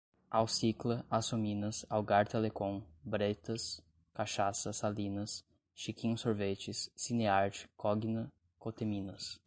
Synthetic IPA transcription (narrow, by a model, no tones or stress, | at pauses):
awsiklɐasomĩnɐsawɡaɾt̪elekõbɾet̪ɐs | kaʃasɐsalĩnɐs | ʃikĩɲʊsoɾvet͡ʃɪsːineaɾt͡ʃi̥kʰɔɡinɐ | kot̪emĩnɐs